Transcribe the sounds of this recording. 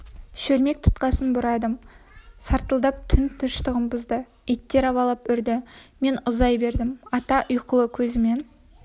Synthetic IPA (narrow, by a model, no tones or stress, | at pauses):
ʃɵɾme̞k̚t̪ʰʊ̥t̪qɑsənbʊɾɑd̪əmsɑɾt̪əlˠd̪ɑp̚t̪ʰʏnt̪ʰʊʃt̪əʁəmbʊzd̪ə | it̪ːe̞ɾɑwɑlˠɑpʏɾd̪ɪme̞nʊzɑjbe̞ɾd̪ɪmɑt̪ɑʔʊjqəlˠəkʲʰɵzɪme̞n